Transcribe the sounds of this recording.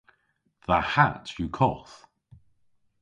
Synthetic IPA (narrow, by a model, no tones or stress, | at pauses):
ðəhatʰjukʰɔθ